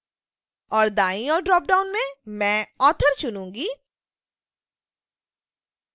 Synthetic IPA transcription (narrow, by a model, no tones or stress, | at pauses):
ɔːɾd̪aːĩɔːɾɖɾɔːp̚ɖaːʊnmẽmɛ̃ːɔːt̪ʰəɾt͡ʃʊnũːŋɡiː